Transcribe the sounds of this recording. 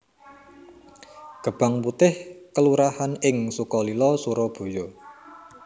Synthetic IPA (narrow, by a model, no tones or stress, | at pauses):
ɡ̥ə̤b̥a̤ŋput̪ɪhkəluɾahanɪŋsukɔlilɔsuɾɔb̥o̤jɔ